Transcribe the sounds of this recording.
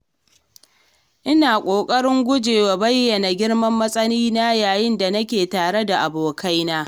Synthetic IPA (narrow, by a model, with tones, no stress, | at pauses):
ʔɪ˦naː˨kʷʼoː˨kʼɐ˦ɽɪ˦ŋɡʷʊ˦d͡ʒeː˨wa˨bɐ˦jːɐ˨na˨ɡʲɪ˦ɽmɐ˦mːɐ˦sʼɐ˦niː˦na˦jaː˨jɪ˦nda˨nɐ˦kʲeː˨taː˨ɽe˦da˨ʔa˨boː˨kʰa˦jnaː˦